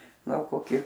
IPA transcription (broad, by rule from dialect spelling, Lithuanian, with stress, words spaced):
ˈɡɐlˠ koːˈkʲɪ